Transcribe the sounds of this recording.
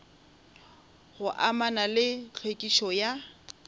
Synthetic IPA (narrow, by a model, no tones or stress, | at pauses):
ɣʊʔamanalɪt͡ɬʰwekʼiʃɔja